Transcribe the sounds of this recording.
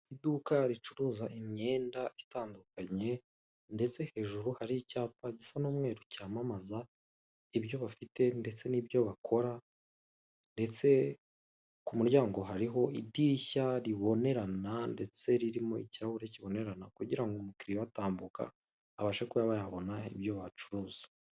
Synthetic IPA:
idukaɾit͡ʃuɾuːzaʔimɲe̞ːndaitaːndukaɲe̞ | nde̞t͡se̞he̞ːʒuɾuhaɾicaːpaɟisanuːmŋe̞ːɾucaːmamaza | iβjo̞βafite̞nde̞t͡se̞niβjo̞βakʰo̞ɾa | nde̞t͡se̞ | kumuɾɟaːŋɡo̞ɦaɾiɦo̞idiçaɾiβo̞ne̞ɾanande̞t͡se̞ɾiɾimoḭciɾaβuɾeciβo̞ne̞ɾanakuɟiɾaŋɡumukiɾijoataːmbuka̰ː | βaʃekujaβajaβo̞naḭbjo̞βat͡ʃu̥ɾuːz̥ḁ

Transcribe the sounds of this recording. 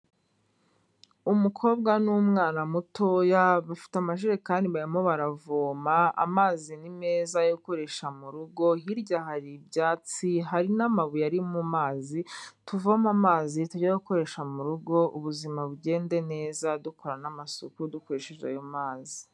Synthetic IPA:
umukʰo̞ːbɡanumŋaːnamutʰojaβafi̥tamaʃiɾekaːndiβaɾimo̞βaɾavoːmaa̰maːzinime̞ːzajoko̞ɾe̞ʃamuɾuɡo̞ɦiɾɟaɦaɾibɟaːt͡siɦaɾinamaβujaɾimumaːzituvomamaːzituɟaoko̞ɾe̞ʃamuɾuɡo̞ʔuβuzimaβuɟe̞ːnde̞ne̞ːzadukʰoɾanamasokudukoɾeʃeʒa̰jomaːzi

